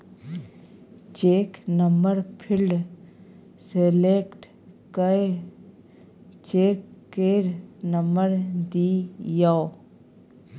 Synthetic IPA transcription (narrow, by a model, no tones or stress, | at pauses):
t͡ʃeːknəmbəɾpʰɪlɖ | seleːkʈ | kəe | t͡ʃeːkːeːɾnəməɾd̪iːjao